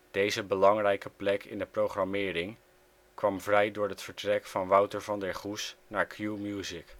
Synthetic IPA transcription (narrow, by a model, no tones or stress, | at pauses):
d̥ejzəbəlɑŋrɛjkəplɛkʰɪ̰ndəprowχrɑmɪːɾɪŋ | kʋɑmvrɛjdʊːɹɦətfəɹtrɛkfɑnʋʌwtəɹvɑndɛɹχusnaːɹkʰjumjuːzɪk